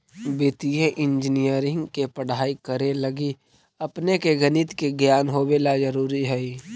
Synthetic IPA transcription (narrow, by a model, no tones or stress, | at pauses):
bɪt̪ieʔɪ̃nd͡ʒnijəɾɪ̃ŋɡkepəɽ̤aːikəɾeləɡi | ɐpnekeɡənɪt̪keɡjaːnɦoːwelad͡ʒəɾuːɾiɦɛi